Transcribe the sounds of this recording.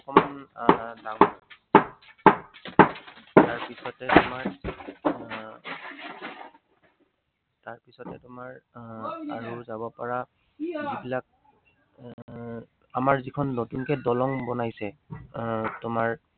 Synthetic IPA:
ɔkɔmandamɔ | taɹpisɔtɛtʊmaɹ | taɹpisɔtɛtʊmaɹ | aɹuzabɔpaɹa | zibilak̚ | amaɹzikʰɔnːotunkɛdɔlɔŋbɔnajsɛ | tʊmaɹ

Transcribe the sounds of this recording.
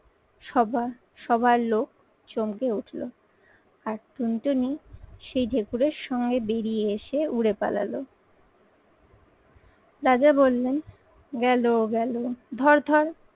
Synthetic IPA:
ʃɔba | ʃɔbʱaɾlok̚ | t͡ɕomkeuʈʰlo̰ | aɾt̪unʈoniʃejdʱekuɾeɾʃɔŋɡebeɾieeʃeuɽepa̰la̰lo | d̪ad͡ʑabolːen | ɡɛloɡɛlod̪ʱɔɾd̪ʱɔɾ

